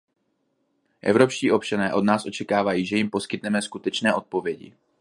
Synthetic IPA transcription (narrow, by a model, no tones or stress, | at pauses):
ʔɛ̰vɾo̞pʃciːʔo̞p̚t͡ʃanɛːʔo̞dnaːsʔo̞t͡ʃɛkaːvajiːʒɛjɪmpo̞skɪt̪nɛmɛskut̪ɛt͡ʃnɛːʔo̞t̪̚po̞vjɛɟɪ̰